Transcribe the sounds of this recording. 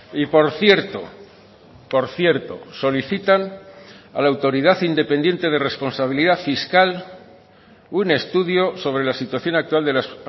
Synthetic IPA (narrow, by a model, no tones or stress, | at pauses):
ipo̞ɾθje̞ɾt̪o̰ | po̞ɾθje̞ɾt̪o̞̰so̞liθit̪ana̰laːwt̪o̞ɾiðaθind̪e̞pe̞nd̪je̞nt̪e̞ð̞e̞re̞spo̞nsaβ̞iliðafiskal | une̞st̪uðjoso̞β̞ɾe̞lasit̪waθjo̞nak̚t̪wald̪e̞las